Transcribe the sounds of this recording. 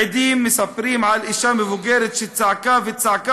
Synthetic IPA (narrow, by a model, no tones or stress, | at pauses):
ɪd̪iːmːɪsafɪɾiːmʕalʔɪʃaːmɪvʊɡeːɾɪt̪ʃɪt̪saʕkaːfɪt̪saʕka